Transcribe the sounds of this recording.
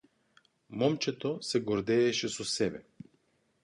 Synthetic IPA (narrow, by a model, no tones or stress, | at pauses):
mɔmt͡ʃɛt̪osɛɡoɾd̪ɛːʃɛsosɛbɛ